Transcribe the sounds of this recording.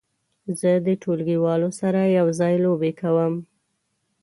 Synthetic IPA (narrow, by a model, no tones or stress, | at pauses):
zəd̪əʈʰolɡiwɑlosaɾajawzɑjlobekawəm